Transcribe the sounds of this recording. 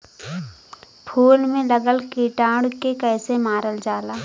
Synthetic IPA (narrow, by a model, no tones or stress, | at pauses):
pʰuːlmẽlɐɡəlkiʈãːɽkekɛːsemaːɾəld͡ʒaːlaː